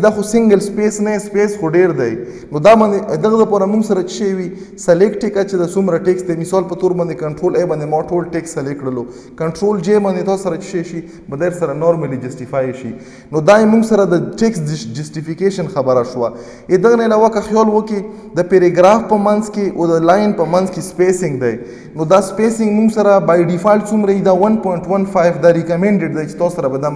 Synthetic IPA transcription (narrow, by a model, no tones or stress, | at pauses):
d̪axosɪŋɡəlspesnaespesxoɖeɾd̪aj | nod̪ɑbɑnd̪ed̪əɣd̪əpɑɾamuŋɡsaɾat͡ʃɪ̥ʃewi | salekʈekat͡ʃed̪asumɾaʈeksd̪emɪsɑlpət̪oɾbɑnd̪ekaɳʈɾolebɑnd̪emɔʈolʈeksalekɽəlo | kaɳʈɾold͡ʒebɑnd̪et̪ɑsaɾat͡ʃi̥ʃeʃi | bəd̪eɾsaɾanɔɾmalid͡ʒasʈifajʃḭ | nod̪ajemuŋɡsaɾad̪əʈeksd͡ʒasʈifikeʃənxabaɾaʃwa | ed̪əɣnaɪlawakaxjɔlwoke | d̪əpeɾeɡɾafpəmanzkeʔod̪əlajɪnpəmanzkespesɪ̃ŋɡd̪aj | nod̪aspesɪ̃ŋɡmuŋɡsaɾabajɖifajlt͡sumɾaid̪awanpɔjɪɳʈwanfajvd̪aɾɪkameɳɖeɖd̪ajt͡ʃe̥t̪ɑssaɾabad̪a